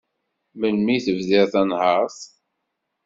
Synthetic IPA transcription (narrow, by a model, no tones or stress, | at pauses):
məlmiθəvðɪɾθænhəɾθ